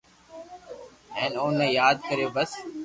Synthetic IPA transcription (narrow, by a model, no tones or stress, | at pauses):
ɛ̃ːnoːnẽːjaːd̪̚kəɾeːbəs